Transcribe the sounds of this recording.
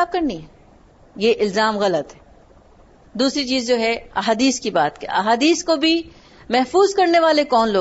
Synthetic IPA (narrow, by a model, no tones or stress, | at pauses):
aːb̚kɐɾnĩɦɛ | jeʔɪlzaːmɣɐlət̪ɦɛ | d̪uːsɾit͡ʃiːzd͡ʒoːɦɛɐɦaːd̪iːskibaːt̪kḛɐɦaːd̪iːskobʱi | mɛɦfuːzkɐɾneʋaːlekɔːnloː